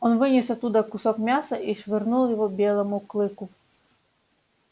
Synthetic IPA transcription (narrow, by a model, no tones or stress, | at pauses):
ɔnʋɪnʲisɐt̪ud̪ɐkʊsɔkmʲasɐiʃʋernulˠjɔɦɔbʲɛlˠɐmʊklˠɪkʊ